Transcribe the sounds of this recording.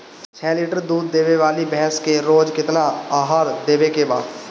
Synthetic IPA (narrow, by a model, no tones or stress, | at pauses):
t͡ʃʰɛːlɪːʈəɾd̪uːd̪ːeːʋeʋaːlibɛɦɛskeɾoːd͡ʒkɪt̪naaːɦaːɾd̪eːʋekeba̰ːd̪